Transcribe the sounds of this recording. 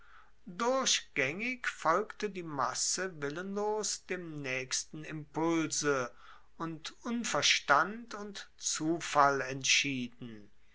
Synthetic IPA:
dʊɐɕɡ̥ɛŋɪkfɔlktədiːma̰səvɪlənloːsd̥eːmnɛːçstn̩ɪmpʊlzə | ʔʊntʔʊnfɛɐʃtantʊntt͡suːfalɛntʃiːdn̩

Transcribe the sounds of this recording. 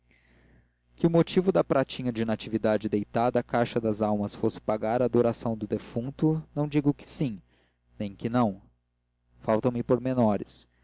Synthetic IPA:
kɪʊmot͡ʃivʊd̪ɐpɾat͡ʃĩɲɐd͡ʒɪnat͡ʃivid̪ad͡ʒɪd̪ejt̪ad̪ɐːkajʃɐd̪ɐzawmɐsfosɪ̥paɡaɾɐd̪oɾasɐ̃w̃d̪ʊd̪efũnt̪ʊnɐ̃w̃d͡ʒiɡʊkɪ̥sĩ | nẽj̃kɪnɐ̃w̃ | fawt̪ɐ̃w̃mɪpoɾmenɔɾɪs

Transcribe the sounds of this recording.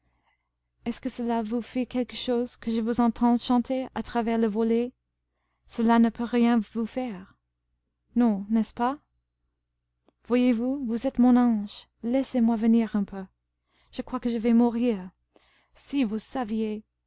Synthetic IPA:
ɛskəsəlavufɛkɛlkəʃozkəʒəvuzɑ̃t̪ʰɑ̃ʃɑ̃t̪ʰeat̪χavɛʁləvɔle | səlanəpʰøʁjɛ̃vufɛʁ | nɔ̃nɛspa | vwajevuvuzɛt̪mɔ̃nɑ̃ʒlɛsemwavəniʁɛ̃pʰø | ʒ̥əkwakəʒəvɛmuʁiːʁ | sivusavje

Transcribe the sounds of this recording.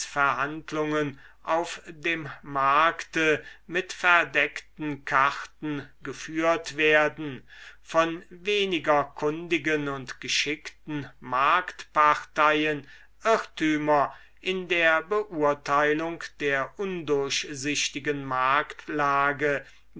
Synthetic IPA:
fɛɐhantlʊŋən | ʔaʊfdeːmːaɐktəmɪtfɛɐdɛktn̩kʰaʁtn̩ɡəfyːɐtv̥eːɐdn̩fɔnveːnɪɡɐkʰʊndɪɡənʊntɡ̥əʃɪktn̩maɐktpaʁtaɪən | ʔɪtyːmɐ | ʔɪndeːɐbəʔuːɐtʰaɪlʊŋkd̥eːɐʔʊndʊɐɕzɪɕtɪɡənmaɐktlaːɡə

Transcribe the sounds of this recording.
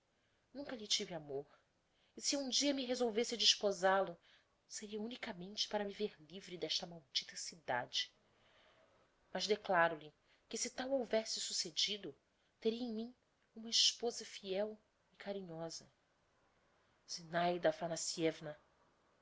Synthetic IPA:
nũŋkɐʎɪt͡ʃivɪamoh | ɪsɪũd͡ʒiɐmɪɦezowvesɪd͡ʒiʃpozalʊ | seɾiɐunikamẽnt͡ʃɪ̥paɾɐmiveɾlivɾid̪ɛʃt̪ɐmawd͡ʒit̪ɐsid̪a̰d͡ʒɪ | mɐʒd̪eklaɾʊlɪ | kɪsɪt̪awowvɛsɪsused͡ʒid̪ʊ | t̪eɾiɐẽmĩ | ũmɐiʃpozɐfiɛw | ikaɾĩɲɔzɐ | sinajd̪ɐfanasiɛvnɐ

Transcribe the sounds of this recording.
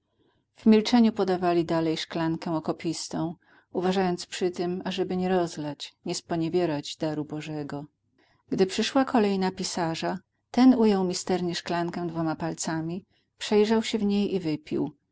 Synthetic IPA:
v̥mʲilt͡ʂɛɲupɔd̪avalʲid̪alɛjʂklaŋkɛ̃ɔkɔpʲist̪ɔ̃w̃ | uvaʐajɔnt̪spʂɘt̪ɘmaʐɛbɘɲɛɾɔzlat͡ɕɲɛspɔɲɛvʲjɛɾad͡ʑd̪aɾubɔʐɛɡɔ | ɡ̥d̪ɘpʂɘʂwakʰɔlɛjnapʲisaʐa | t̪ɛnujawmʲist̪ɛɾɲɛʂklaŋkɛ̃w̃d̪vɔmapalt̪samʲi | pʂɛjʐawɕɛvɲejivɘpʲḭw

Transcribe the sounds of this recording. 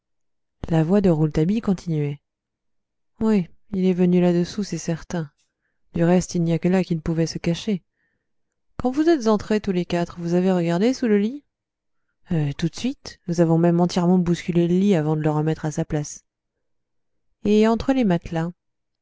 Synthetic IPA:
lavwad̪əʁult̪abikɔ̃t̪inɥɛ | wiilɛvənylad̪əsusɛsɛʁt̪ɛ̃ | d̪yʁɛst̪ilnijakəlakʲilpuvɛsəkaʃe | kɑ̃vuzɛt̪zɑ̃t̪χet̪ulekat̪χvuzaveʁəɡaʁd̪esuləli | ət̪ut̪sɥit̪nuzavɔ̃mɛmɑ̃t̪jɛʁmɑ̃buskʲyleləliavɑ̃d̪ələʁəmɛt̪χasaplas | eɑ̃t̪χəlemat̪lɛ̃

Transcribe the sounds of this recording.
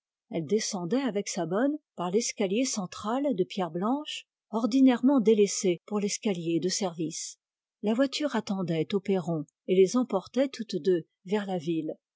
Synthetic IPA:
ɛld̪esɑ̃d̪ɛavɛksabɔnpaʁlɛskʲaljesɑ̃t̪χald̪əpjɛʁblɑ̃ʃ | ɔʁd̪inɛʁmɑ̃d̪elɛsepuʁlɛskʲaljed̪əsɛʁvis | lavwat̪yʁat̪ɑ̃d̪ɛt̪opeʁɔ̃ | elezɑ̃pɔʁt̪ɛt̪ut̪d̪ø | vɛʁlavil

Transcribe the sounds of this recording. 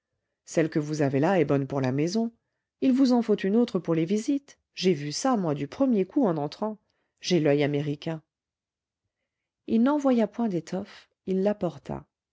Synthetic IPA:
sɛlkəvuzavelaɛbɔnpuʁlamɛzɔ̃ | ilvuzɑ̃fot̪ynot̪χəpuʁlevizit̪ | ʒevysamwad̪ypχəmjekuɑ̃nɑ̃t̪χɑ̃ | ʒelœjameʁikʲɛ̃ | ilnɑ̃vwajapwɛ̃d̪et̪ʰɔf | ilːapɔʁt̪ʰa̰

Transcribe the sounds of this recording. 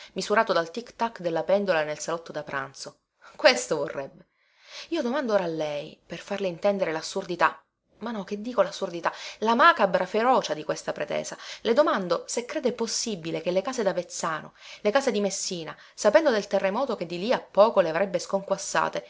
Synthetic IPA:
mizuɾaːt̪od̪alt̪ikt̪akːd̪elːapɛnd̪olanelsalɔt̪ːod̪apɾʔa̰nt̪so | kwest̪ovorːɛbːe | iːod̪omand̪ooːɾaːlːɛjperfarleint̪ɛnd̪eɾelasːurd̪it̪a | manɔk̟ed̪ːiːkolasːurd̪it̪alamaːkabɾafeɾɔːt͡ʃad̪ikwest̪apɾḛt̪ɛ̰ːzaled̪omand̪osekːɾeːd̪eposːibːilekelːekaːzed̪avet̪saːno̰lekaːzed̪imesːiːna | sapɛnd̪od̪elt̪erːemɔːt̪ok̟ed̪ːiliapːɔːkoleavɾɛbːeskoŋkwasːa̰ːt̪e

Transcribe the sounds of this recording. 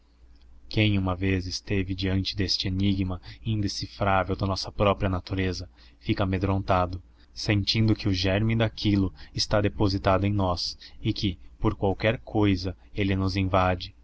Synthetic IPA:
kẽj̃ũmɐvezest̪evɪd͡ʒiɐ̃nt͡ʃɪd̪est͡ʃɪeniɡmɐĩnd̪esifɾavewd̪ɐnɔsɐpɾɔpɾiɐnat̪uɾezɐ | fikɐamed̪ɾõnt̪ad̪ʊ | sẽnt͡ʃĩnd̪ʊkɪʊʒɛɾmĩd̪akʰilʊɪst̪ad̪epozit̪ad̪ʊẽj̃nɔsɪkɪpoɾkwawkɛɾkʰojzɐelɪnʊzẽvad͡ʒɪ

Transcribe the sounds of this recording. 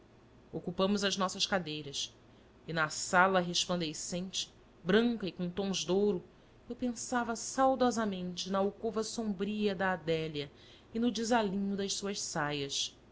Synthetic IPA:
okupɐ̃mʊzɐʒnɔsɐʃkad̪ejɾɐs | ɪnɐsalɐɦeʃplɐ̃nd̪esẽnt͡ʃɪ̥ | bɾɐ̃ŋkɐɪkõt̪õʒd̪owɾʊ | ewpẽsavɐsawd̪ɔzɐmẽnt͡ʃɪnɐowkovɐsõmbɾiɐd̪ɐːd̪ɛljɐ | ɪnʊd͡ʒɪzalĩɲʊd̪ɐʃsuɐʃsajɐs

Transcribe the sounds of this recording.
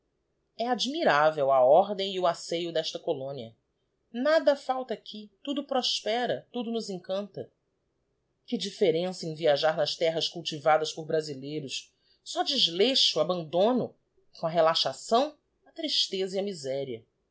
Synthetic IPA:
ɛad͡ʒmiɾavewɐɔɾd̪ẽj̃iʊasejʊd̪ɛʃt̪ɐkolõniɐ̰ | nad̪ɐfawt̪ɐkʰɪt̪ud̪ʊpɾɔʃpɛɾɐt̪ud̪ʊnʊzẽŋkɐ̃nt̪ɐ | kɪd͡ʒifeɾẽsɐẽviaʒaɾnɐʃt̪ɛɦɐskuwt͡ʃivad̪ɐspʊɾbɾazilejɾʊs | sɔd͡ʒɪʒleʃʊabɐ̃nd̪õnʊ | kõɐɦelaʃasɐ̃w̃ | ɐt̪ɾiʃt̪ezɐiɐmizɛɾiɐ

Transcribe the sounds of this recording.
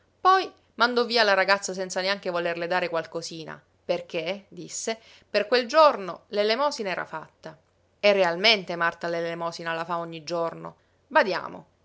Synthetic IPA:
pɔj | mand̪ɔvːiːalaɾaɡat̪sːas̬ɛnt̪saneaŋk̟evolerled̪aːɾekwalkosiːna̰ | perk̟ed̪isːe | perkweld͡ʒornolelemɔːsinaɛːɾʔa̰fat̪ːa | erːealment̪emart̪alelemɔːsinalafaoɲːid͡ʒorno̰ | bad̪ja̰ːmo̰

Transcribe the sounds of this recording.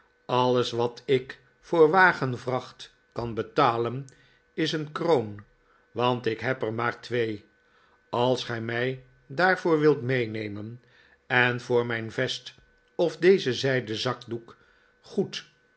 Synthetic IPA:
ɑləsʋɑtʰɪk | fʊːɹʋaːχənvrɑχt | kɑnbətaːlən | ɪsənkrown | ʋɑntɪkɦɛpəɹmaːɹtʋej | ɑlˠsχɛjmɛj | daːɹvʊːɹʋɪlˠtmejnejmən | ɛnvʊːɹmɛjnvɛst | ɔfdejzəzɛjdəzɑkduk | χut

